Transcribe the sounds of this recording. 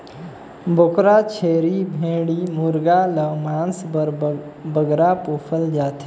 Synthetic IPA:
bokɾat͡ʃʰeːɾibʱẽːɽimuɾɡaləmãːnsbəɾbəɡɾapoːfʰəld͡ʒaːt̪ʰe

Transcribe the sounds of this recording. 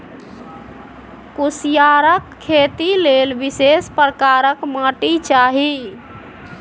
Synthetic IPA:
kusijaɾəkʰːet̪ilelbisespɾəkaɾəkmaʈit͡ʃaɦi

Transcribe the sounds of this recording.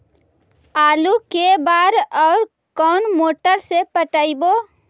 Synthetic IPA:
aːlukebaːɾɔːɾ | kɔːnmoːʈəɾsepəʈaiboː

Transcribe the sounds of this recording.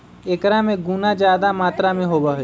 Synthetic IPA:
eːkɾamẽɡunad͡ʒjaːd̪amaːt̪ɾamẽɦobaɦ

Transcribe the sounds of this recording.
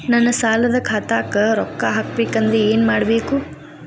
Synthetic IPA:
nɐnːɐsaːlɐd̪ɐkʰaːt̪aːkɐɾɔkːaɦaːk̚beːkɐnd̪ɾeeːnmaːɽbeːku

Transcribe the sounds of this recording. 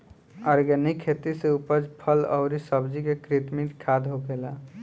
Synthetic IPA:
ɔɾɡənikʰːet̪iseupəd͡ʒpʰəlɔ̰ʊɾisəbd͡ʒikekɾit̪miʈkʰad̪ɦoɡela

